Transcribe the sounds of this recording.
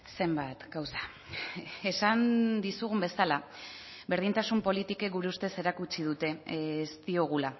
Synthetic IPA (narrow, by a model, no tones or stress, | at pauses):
se̞mbat̪ɡawsḁ | e̞sand̪isuɣ̞umbe̞sala | βe̞ɾð̞int̪asumpo̞lit̪ikeɡuɾeust̪e̞se̞ɾakut͡ʃið̞ut̪e̞st̪io̞ɣ̞ula